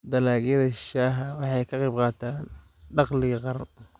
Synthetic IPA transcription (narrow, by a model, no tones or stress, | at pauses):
d̪ɐlaːɣjɐðɐʃaːɦɐwɑħɑjkʰɑqɑb̚qɑːt̪ʰaːn | ɖɑqlɪɣɐqɑɾɐ